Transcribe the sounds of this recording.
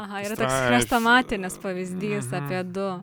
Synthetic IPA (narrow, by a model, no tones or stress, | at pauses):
ɐɦɐiːɾɐt̪oːstɪkʲːst̪omɑːt̪ʲɪnʲɪspɐʋʲɪzʲd̪ʲiːsɑːpʲiɛd̪ʊ